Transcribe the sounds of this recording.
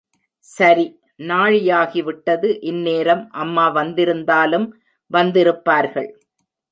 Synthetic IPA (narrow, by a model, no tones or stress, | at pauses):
sɐɾi | naːɻɪjaːɣiʋɪʈːɐðɯʔɪnːeːɾɐmʔɐmːaːʋɐnd̪ɪɾɯnd̪aːlɯm | ʋɐnd̪ɪɾɯpːaːɾɣɐ̰ɭ